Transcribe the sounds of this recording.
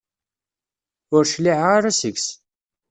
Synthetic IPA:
ʊɾʃliʕʁaɾasəɡs

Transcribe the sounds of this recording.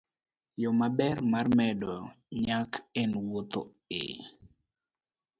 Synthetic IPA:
jɔmabɛrmarmɛdɔ | ɲakʰɛnwot̪o̰ | ḛ

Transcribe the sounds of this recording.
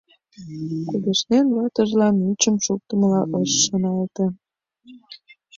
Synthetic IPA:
kud̪eʃnenβɑt̪əʒlɑnyt͡ɕəmʃuk̚t̪əməlɑʔəʃːənɑlt̪ə̆

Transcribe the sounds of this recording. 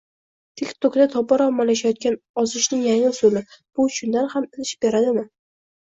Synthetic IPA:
t̪ʰɪkʲt̪ʰokd̪at̪ʰɒbɒɾɒmːalaʃ̬ajɒt̪̚kʲanɒzɪʃnɪŋjaŋɪsʊlɪb̥ʊʃʰʊnd̪anhamɪlɪʃbe̞ɾad̪ɪmɪ

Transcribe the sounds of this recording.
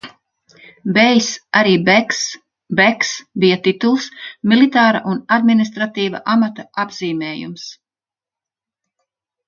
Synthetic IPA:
bɛjsaɾiːbɛks | bɛksbijat̪it̪ulˠsmilit̪aːɾa̰ʔunad̪minis̬t̪ɾat̪iːva̰ʔamat̪aabziːmɛːjṵms

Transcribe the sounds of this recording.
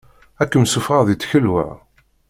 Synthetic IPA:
ækːəmsufʁɑðit͡sːçəlwə̰ʕ

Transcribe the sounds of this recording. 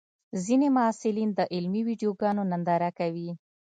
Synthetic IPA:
zinemaɑsɪlind̪əʔɪlmiwiɖjoɡɑnonand̪ɑɾakawi

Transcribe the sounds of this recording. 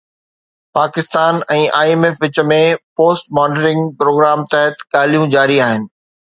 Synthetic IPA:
paːkɪst̪aːnɛ̃ːʔaːeːmefʋɪt͡ɕə̆mẽpoːsʈmaːɖəɾɪ̃ŋɡpɾoːɡɾaːmt̪ɛɦət̪ɠaːl̤ijũd͡ʑaːɾiaːɦɪnɪ̆

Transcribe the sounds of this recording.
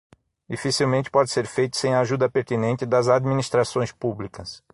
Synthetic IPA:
d̪ifisiwmẽnt͡ʃɪ̥pɔd͡ʒɪseɾfejt̪ʊ̥sẽj̃aʒud̪ɐpeɾt̪inẽnt͡ʃ̪ɪd̪ɐzad̪minist̪ɾasõj̃spublikɐs

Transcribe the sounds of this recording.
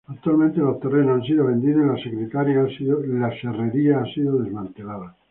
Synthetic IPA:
ak̚t̪ualmẽnt̪elot̪erenoãns̬iðoβe̞nd̪iðoilasekɾet̪aɾjaasiðolasereɾiaasiðoðe̞zmãnt̪e̞laða

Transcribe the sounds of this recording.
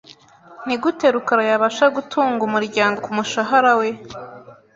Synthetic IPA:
n̥iɡute̞ɾukaɾajaβaʃaɡutʰuːŋɡumuɾɟaːŋɡo̞kumuʃaɦaɾawe̞

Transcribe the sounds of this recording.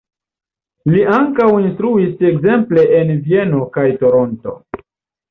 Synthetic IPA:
liʔaŋkawinstɾuise̞kze̞mple̞ʔenvie̞no̞kajto̞ɾo̞nto̞̰

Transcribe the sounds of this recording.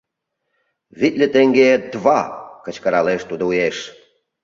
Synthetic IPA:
βit̪ʲlʲə̆t̪eŋɡed̪βɑkə̆t͡ɕkəɾɑleʃt̪ud̪oujeʃ

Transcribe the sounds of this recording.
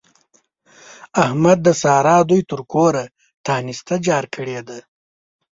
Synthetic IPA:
ahmad̪̚ːəsɑːɾɑːd̪ujt̪əɾkoɾa | t̪ʰɑːnist̪ad͡ʒɑːɾkʰəɽed̪a

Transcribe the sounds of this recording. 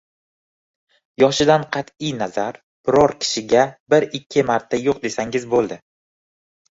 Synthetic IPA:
jɒʃɪd̪anqʰɑt̪ʰijnazaɾ | b̥ɪɾɒɾkʲʰɪ̥ʃɪɡʲabɪɾɪkʲʰːɪmaɾt̪ʰːajoqd̪e̞saŋɪzbolˠd̪ɪ

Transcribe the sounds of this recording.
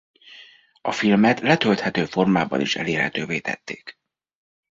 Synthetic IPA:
ɒfilmɛt̪lɛt̪ølt̪hɛt̪øːfo̞rmaːbɒ̰niʃɛ̰leːrhɛ̰t̪øːveːt̪ɛ̰t̪ːeːk

